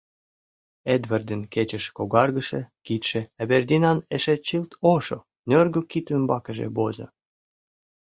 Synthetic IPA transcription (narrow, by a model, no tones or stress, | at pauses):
ed̪vərd̪ənket͡ɕə̆ʃkoɣɑrɣə̆ʃĕkit̪ʃĕæberd̪inɑneʃet͡ɕilt̪oʃo | nørɡøkit̪ymbɑkə̆ʒḛbozɤ̰